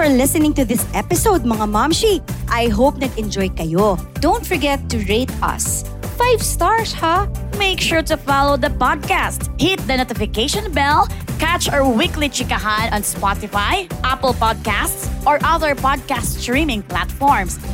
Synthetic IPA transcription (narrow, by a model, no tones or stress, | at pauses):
fɔɹlɪsɪnɪ̃ŋt̪ʊðɪsʔɛpɪsowd̪̚mɐŋamamʃiʔajɦowp̚nɐɡɛ̃nd͡ʒɔjkɐjod̪õwnt̪fɔɹɡɛt̪ːʊɹet̪ɐ̰s | fajvst̪aɹshameɪkʃuɹt̪ʊfalowd̪ɐpɔd̪̚kast̪hɪt̪̚d̪ɐnot̪ɪfɪkeɪʃɔ̃nbɛlkat͡ʃɔɹwɪklit͡ʃɪkɐɦanɐ̃nspɔt̪ɪfajʔapəlpɔd̪̚kæst̪sʔɔɹʔɐðəɹpɔd̪̚kasttɹĩmɪ̃ŋplat̪fɔɹms